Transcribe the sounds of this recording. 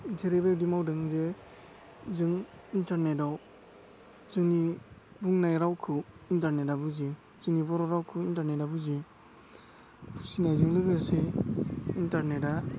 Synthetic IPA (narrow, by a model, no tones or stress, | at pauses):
d͡ʒeɾebedimawdɯŋze | zɯŋ | intaɾnedaw | zɯŋni | buŋnajɾawkʰɯintaɾnetabuzi | zɯŋnibɔɾɔɾawkʰɯintaɾnetabuzi | pʰusinajzɯŋlɯɡɯse | intaɾneta